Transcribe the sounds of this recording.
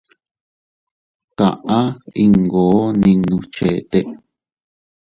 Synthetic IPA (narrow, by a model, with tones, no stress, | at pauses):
kã˨ʔã˦i˧ŋɡoː˨˦nĩ˧nũ˧t͡ʃe˨˧t̪e˧ʔ